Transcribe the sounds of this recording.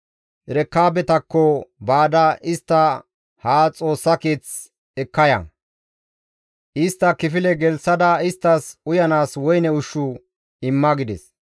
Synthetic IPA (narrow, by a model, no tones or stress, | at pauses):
ɾɛkːaːbɛt̪ɐkːɔbaːd̪ɐʔɪst̪ːɐ | haːt͡sʼo̞ːsːɐke̞ːt͡s | ɛkːɐjɐ̰ | ʔɪst̪ːɐkɪfɪlɛɡɛlsɐd̪ɐɪst̪ːɐsʊjɐnaːswɔjnɛʊʃːʊ | ɪmːɐɡɪd̪ɛs